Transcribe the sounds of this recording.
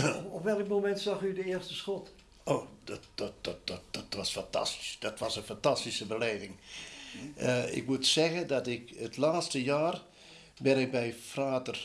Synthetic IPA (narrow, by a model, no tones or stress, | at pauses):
ɔpʋɛlˠkmomɛntsɑxydəɪəɹstəsxɔt | oːdɔd̥ɔdɔd̥ɔd̥ɔtʋɔsfantʰa̰sti̥sd̥ɔtʋɑsənfantastisəbəleːvɪŋ | əɪ̰kmutsɛɣədɔtɪkətlaːtstəjaːr | bɛnɪk̚bɛjfraːtər